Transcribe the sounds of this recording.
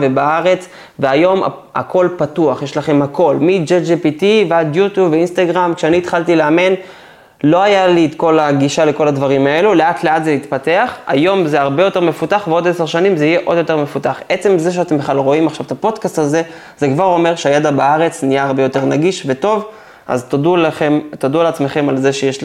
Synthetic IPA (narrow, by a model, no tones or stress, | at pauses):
vebaaʁe̞t͡s | veajo̞ma̰a̰ko̞lpatuaχjeʃlaχe̞mhako̞lmid͡ʒed͡ʒepit̪ivead̪jut̪jubveinst̪aɡʁamkʃeaniːt̪χaltileamen | lo̞ajaliet̪ko̞laɡiʃale̞ko̞lad̪vaʁimae̞luleatle̞atzelit̪pate̞aχa̰jo̞mzeaʁbe̞jo̞t̪e̞ʁme̞futaχveo̞d̪eseʁʃanimzeijeʔo̞d̪jo̞t̪e̞ʁme̞fut̪aχe̞t͡se̞mze̞ʃ̬eat̪e̞mbeχalʁo̞imaχʃavet̪apo̞d̪kastaze̞ | zekvaʁo̞me̞ʁʃeajed̪abaaʁe̞t͡snijaːʁbe̞jo̞t̪e̞ʁnaɡiʃveto̞v | ʔa̰zt̪dulemt̪ad̪ulat͡sme̞χe̞malze̞ʃejeʃ